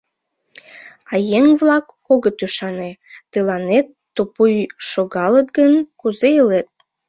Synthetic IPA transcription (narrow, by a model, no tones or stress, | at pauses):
ɑjeŋβlɑk | oɣət̪yʃɑnet̪əlɑnet̪ːopujʃoɣɑlət̪ɡənkuzeəlet̪̚